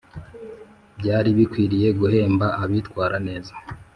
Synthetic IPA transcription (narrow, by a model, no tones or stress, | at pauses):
bɟaːɾiβikwiːɾije̞ɡuɦe̞ːmbaʔaβitkwaːɾane̞ːzḁ